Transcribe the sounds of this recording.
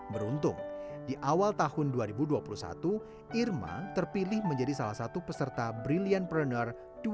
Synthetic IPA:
bəɾunt̪ʊ̰ŋdiʔawalt̪ahʊnduaɾibuduapulusa̰t̪u | ʔirma̰t̪ərpilɪhməɲd͡ʒadisalahsat̪upəsərt̪abɾilianpɾənər | d̥u

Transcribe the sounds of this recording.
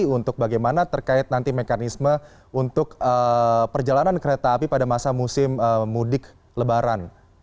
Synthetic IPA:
iunt̪ʊk̚baɡajmanat̪ərkaɪt̪̚nant̪imekanismə | unt̪ʊkəpərd͡ʒalanankəɾet̪aːpipadamasamusɪməːudɪk | ləbaɾan

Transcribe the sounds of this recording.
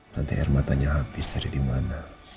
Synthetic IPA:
t̪ant̪ḭʔɛ̰rmat̪aɲaɦapisd̪aɾidimana

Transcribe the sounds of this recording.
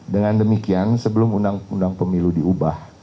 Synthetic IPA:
dəŋandəmikiansəbəlʊmundaŋundaŋpəmiludiubah

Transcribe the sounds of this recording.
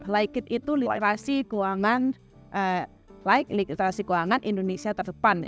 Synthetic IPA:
laikɪt̪̚it̪uliɾasiɡoaŋan | ʔə | laɪk̚likt̪əɾasiɡoaŋanʔindonesiat̪ərd̪əpan

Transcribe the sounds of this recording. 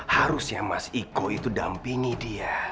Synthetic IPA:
haɾʊsjamasikoit̪udampiŋidia

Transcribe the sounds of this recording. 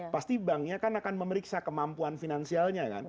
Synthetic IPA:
past̪ibaŋɲakanakanməməɾiksakəmampuanfinansialɲaka̰n

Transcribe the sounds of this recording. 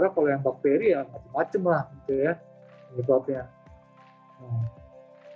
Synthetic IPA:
ɾakalojaŋbak̚t̪eɾijamat͡ʃəmːat͡ʃəmlahɡit̪uja | nəbap̚ɲa | əm

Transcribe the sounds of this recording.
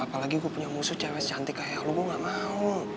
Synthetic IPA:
apalaɡiɡuapuɲamusʊht͡ʃarwɛst͡ʃant̪ɛkajahluɡuaŋɡaʔmau

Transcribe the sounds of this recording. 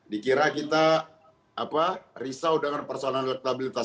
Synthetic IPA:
dikiɾakit̪aː | parisawdəŋanpərsoalanlək̚t̪abilit̪a

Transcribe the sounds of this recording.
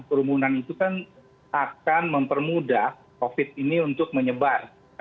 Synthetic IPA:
pəɾumunanit̪ukan | akanməmpərmuda | kofɪt̪̚iniunt̪ʊk̚məɲəbar

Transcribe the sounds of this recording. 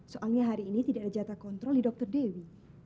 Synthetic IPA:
soʔalɲaɦaɾiːnit̪idaʔadad͡ʒat̪akɔnt̪ɾɔldidɔk̚t̪ərdewi

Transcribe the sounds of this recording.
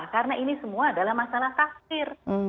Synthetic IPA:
kaɾənaʔinisəmuaːdalahmasalaht̪af̚sɪr

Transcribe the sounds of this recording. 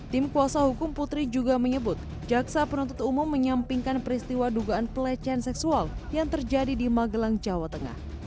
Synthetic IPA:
t̪ɪmkuasahukʊmput̪ɾid͡ʒuɡaməɲəbʊt̪̚ | d͡ʒaksapənunt̪ʊt̪umʊmːəɲampiŋkanpəɾist̪iwaduɡaʔːnpəlɛt͡ʃɛansɛksualjaŋt̪ərd͡ʒadidimaɡəlaŋd͡ʒawat̪əŋa̰h

